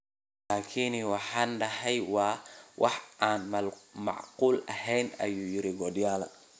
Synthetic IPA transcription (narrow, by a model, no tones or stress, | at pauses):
laːkʰinwɑħɑːnɖɐɦɛjwɑːwʔɑ̰ħʔaːnmɐlmɑ̰ʕquːlɐ̰hɛjnɐ̰juːjɪɾɪɡɔd̪jaːlɐ̰